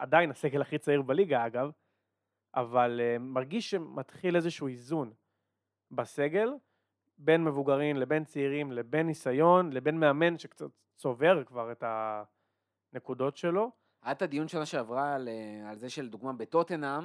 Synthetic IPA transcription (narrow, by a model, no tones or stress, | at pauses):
adajinase̞ɡelaχit͡saiʁbaliɡaaɡav | ʔa̰valemaʁɡiʃʃemʔat̪χile̞zeʃuːizun | base̞ɡe̞l | be̞nme̞vuɡaʁimle̞be̞nt͡seiʁimle̞be̞nːisajo̞nle̞be̞nmeame̞nʃekt͡sat | so̞ve̞ʁkvaʁe̞ta | nekudo̞tʃe̞lo̞ | ad̪̚ad̪ijunʃelaʃeavʁalalzeʃeld̪uɡmabet̪ot̪enam